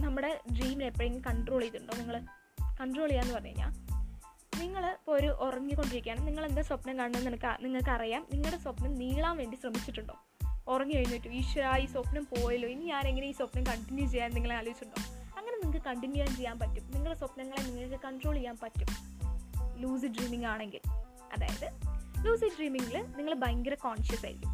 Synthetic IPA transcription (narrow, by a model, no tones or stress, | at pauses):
nɐmːuɽe̞ɖriːminepːɐjeŋːɡikɐɳɖro̞ːɭijt̪ːuɳɖo̞ːniŋːɐɭ | kɐɳɖroːɭijaːenːɨpɐrɐɲeɲːa̰ːn | niŋːɐɭpoɾuʔorɐɲːɨko̞ɳɖɨɾikʲːaːnɨmniŋːɐɭe̞nd̪aːswɐpnɐmkaːɳunːɐnemɐkːɨniŋːɐɭkːɨɐrijaːmniŋːɐɭɨɽeswɐpnɐmniːɭaːmʋe̞ːɳɖisrɐmit͡ɕːiʈːuɳɖo̞̰ː | orɐɲːɨkɐjinːitːumiʂʋɐɾaːjiswɐpnɐmpo̞ːjɐloːjinɲaːne̞ŋːɐneiːswɐpnɐmkɐɳʈinːjut͡ɕe̞jːaːnniŋːɐɭeaːloːʋit͡ɕːuɳɖo̞̰ːɐŋːɐne̞niŋːɐkːɨkɐɳʈinːjujaːmt͡ɕe̞jːaːnpɐtːumniŋːɐɭeswɐpnɐŋːɐɭeniŋːɐɭkːɨkɐɳʈroːɭejːaːnpɐtːum | luːs̬ɨɖriːmiŋɡaːɳe̞ŋɡil | ɐ̰ða̰ːjɐðɨluːsɨɖriːmiŋɡilɨniŋːɐɭbɐjŋɡɨɾɐkoːɳʂjɐsa̰ːjɾḭkʲːum